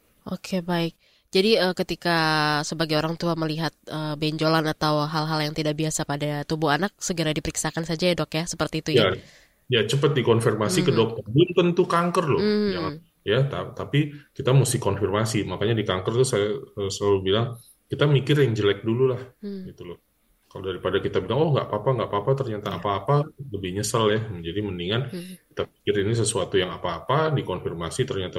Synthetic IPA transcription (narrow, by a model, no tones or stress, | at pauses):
ʔokʰebaɪk̚ | d͡ʒadiəːkət̪ikasəbaɡajoɾaŋt̪uaməliɦat̪̚əːbɛɲd͡ʒolanat̪awɦalɦaljaŋt̪idaʔbiasapadat̪ubuanak̚səɡəɾadipəɾiksakansad͡ʒajadɔkjasəpərt̪iːt̪uja | jat͡ʃəpət̪̚dikɔnfirmasikədɔk̚t̪ərbunt̪ənt̪ukaŋkərlʊd͡ʒaa | jat̪at̪apikit̪amusɪhkɔnfirmasimakaɲadikaŋkərt̪usajaəsəlalubilaŋ | kit̪amikɪrjaŋd͡ʒəlɛk̚dululahɡit̪ulʊh | kalodaɾipadakit̪abilaŋɔhŋɡa̰ʔpapaŋɡaʔpapat̪ərɲat̪aːpaːpaləbɪhɲəsaljahməɲd͡ʒadiməniŋanki̥t̪apikɪrinis̬əsuat̪ujaŋapaːpadikɔnfirmasit̪ərɲat̪a